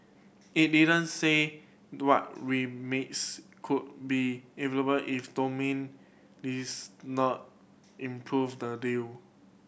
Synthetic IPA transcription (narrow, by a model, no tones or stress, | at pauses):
it̚didə̃nse | wɔt̚ɹimetskʰud̚biɛveləbəlʔifdomĩn | disnɔt̚ | ĩmpʰɹuvdədil